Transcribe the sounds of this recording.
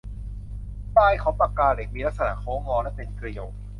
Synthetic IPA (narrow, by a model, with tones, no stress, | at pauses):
paː˧jkʰa˨˦˥pa˧kaː˧le˨˩k̚miː˧la˦˥k̚sa˧na̰˧˩kʰɔː˨˦ŋɔː˧lɛ˦˥pe˧nkɾi˨˧ə˨w̚